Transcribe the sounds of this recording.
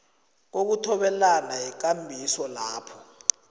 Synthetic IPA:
k̬ok̬utʰɔɓɛlanajik̬ambʱisɔlaːpʰɔ̥

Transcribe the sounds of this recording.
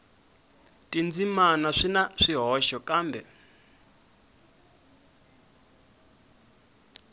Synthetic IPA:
tʼind͡zimanaʂinaʂiɦɔʃɔkaːmbɛ

